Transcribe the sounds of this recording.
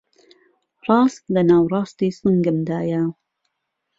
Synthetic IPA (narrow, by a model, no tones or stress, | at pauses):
rɑːst̪lɐnaːwrˤɑːst̪iːsɨŋɡɨmd̪aːjɐ